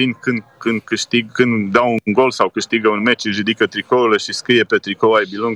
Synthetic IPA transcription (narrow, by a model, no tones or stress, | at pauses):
inkɨnd̪kɨnd̪kɨʃt̪iɡkɨnd̪d̪awunŋɡo̞lsawkɨʃt̪iɡəunme̞t͡ʃʒud̪ikət̪ɾikouleʃiskɾije̞pe̞t̪ɾikowajbiluŋɡ